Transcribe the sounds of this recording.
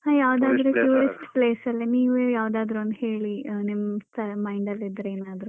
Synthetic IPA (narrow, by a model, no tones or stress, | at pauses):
haːjaːʋd̪aːd̪ɾukjuːɾisʈpleːsɐlːiniːʋujaːʋd̪aːd̪ɾuɐnt̪heːɭinimsʈɐmɐjɳɖɐlid̪ɾeeːnaːd̪ɾu